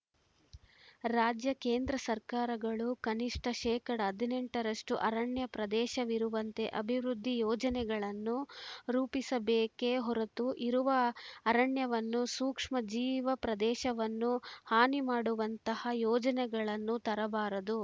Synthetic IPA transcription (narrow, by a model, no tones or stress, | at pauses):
ɾaːd͡ʒjɐkeːnd̪ɾɐsɐɾkaːɾɐɡɐɭukɐniʂʈʰɐʃɛːkɐɽɐɦɐd̪ʱineɳʈɐɾɐʂʈuʔɐɾɐɳjɐpɾɐd̪ɛːʃɐʋiɾuʋɐnt̪e̞ʔɐbʱiʋɾud̪ʱːijɔːd͡ʒɐnɛɡɐɭɐnːuɾuːpisɐbeːke̞ɦɔɾɐt̪uʔiɾuʋɐːɾɐɳjɐʋɐnːusuːkʂmɐd͡ʒiːʋɐpɾɐd̪ɛːʃɐʋɐnːuhaːnimaːɽuʋɐnt̪ɐhɐjɔːd͡ʒɐnɛɡɐɭɐnːut̪ɐɾɐbaːɾɐd̪u